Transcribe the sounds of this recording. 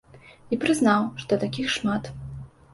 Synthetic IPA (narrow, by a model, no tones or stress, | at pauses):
ipɾɨzn̪awʂt̪ɔt̪akʲixʂmat̪